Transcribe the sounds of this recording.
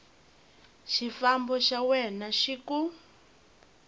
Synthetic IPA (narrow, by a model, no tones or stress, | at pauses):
ʃifambɔʃawɛnaʃiku